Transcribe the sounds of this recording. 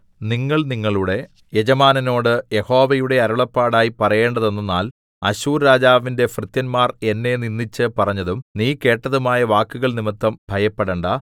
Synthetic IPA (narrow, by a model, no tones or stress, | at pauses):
niŋːɐɭniŋːɐɭuɽe̞ | jed͡ʑɐmaːnɐno̞ːɽɨjeho̞ːʋɐjuɽe̞ɐɾuɭɐpːaːɽaːjipɐrɐje̞ːɳɖɐðe̞nːɐnːaːl | ɐɕuːɾːaːd͡ʑaːʋinde̞frɨt̪jɐnmaːre̞nːe̞ninːit͡ɕːɨpɐrɐɲːɐðumniːke̞ːʈːɐðumaːjɐʋaːkːuɣɐɭnimɐt̪ːɐmbʱɐjɐpːeɽeɳɖɐ